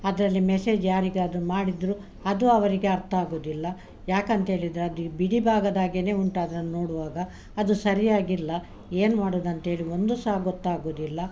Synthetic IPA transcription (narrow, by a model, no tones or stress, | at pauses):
ɐd̪ɐɾɐlːimɛse̞ːd͡ʒjaːɾiɡeɐd̪ɾumaːɽid̪ɾu | ɐd̪uɐʋɐɾiɡeɐɾt̪ʰɐaːɡoːd̪ilːɐ | jaːkɐnt̪ɦeːɭid̪ɾeɐd̪ubiɽibʱaːɡɐd̪aːɡene̞ːuɳʈaːd̪ɾɐnːunoːɽuʋaːɡɐː | d̪usɐɾijaːɡilːɐ | eːnumaːɽoːd̪ɐnt̪ɦe̞ːɭio̞nd̪usaːɡɔt̪ːaːɡoːd̪ilːɐ